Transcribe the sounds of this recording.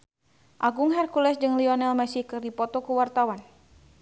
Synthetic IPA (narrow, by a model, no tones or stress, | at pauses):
ʔaɡuŋɦɛrkulɛsd͡ʒɨŋliɔnɛlmɛsihkɨrdipɔt̪ɔkuwart̪awan